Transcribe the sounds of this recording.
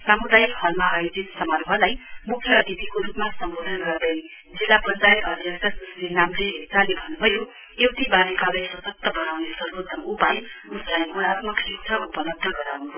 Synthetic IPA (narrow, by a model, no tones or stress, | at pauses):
samud̪ajikhʌlmaːjod͡zit̪sʌmarbʱʌlajmukʰːjʌːd̪ib̪ʱikoɾupmasʌmbod̪ʱʌnɡʌrd̪ʌj | d͡zilːapʌnt͡sajet̪ʌd̪ʱjʌsʌsslinamleɦet͡salebʱʌnːubʱʌjo | ewt̪ibanikalajsʌsʌk̚t̪ʌbʌnawnesʌɾod̪ʱʌupajuslajunat̪mʌksit̪ʰʌupʌlʌb̚d̪ʱʌɡʌɾawnu